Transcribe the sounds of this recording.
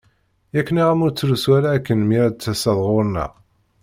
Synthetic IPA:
ækːəniʁæmʊɾt͡sːɾuswæɾaːkːənmiɾæd̪t͡sːæsɑðˤʁʊɾˤnæ̰

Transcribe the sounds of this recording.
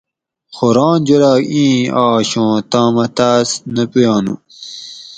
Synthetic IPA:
xoɾɑ̃ːnd͡ʑolaːĩːaːɕõːt̪aːmɐt̪aːsnɐpujɑːnṵ

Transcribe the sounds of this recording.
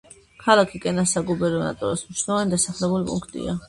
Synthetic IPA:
kʰalˠakʰikʼɛnasaɡubɛɾɔna̰t̪ʼɔ̰ɾasmniʃnɛlvanid̪asaχlɛbulipʼṵŋkʰt̪ʼḭa

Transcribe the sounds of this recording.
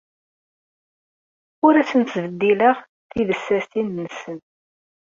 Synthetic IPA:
ʊɾæsənt̪vəd̪ːiləʁ | θiðəsːæst̪inːəsən

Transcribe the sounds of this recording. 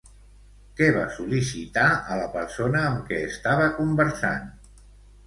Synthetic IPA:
kɛβa̰sulisit̪aələpəɾsonəːmkɛːst̪aβəkumbəɾsa̰n

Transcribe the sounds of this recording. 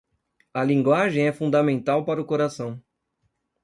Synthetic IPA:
ɐlĩŋɡwaʒẽj̃ɛfũd̪ɐmẽnt̪awpaɾʊkoɾasɐ̃w̃

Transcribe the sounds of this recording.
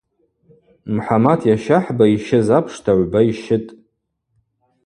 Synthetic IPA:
mħamatʰjaʃaħbaiʃɪzapʰʂtʰaʕʷbaiʃɪtʼ

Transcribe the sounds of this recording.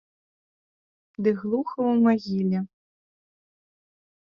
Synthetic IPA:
d̪ɨɣlˠuxɐwmaɣʲilʲɛ

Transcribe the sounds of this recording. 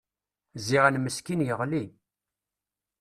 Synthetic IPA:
ziʁænməskinjəʁli

